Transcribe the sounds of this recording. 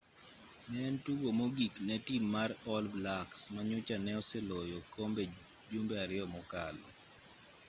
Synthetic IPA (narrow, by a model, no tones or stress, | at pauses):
nɛntuɡomoɡiknɛtimːaɾɔlblaksmaɲʊt͡ʃanɛɔsɛlojɔkombe | d͡ʒumbeaɾɪɔmɔka̰lɔ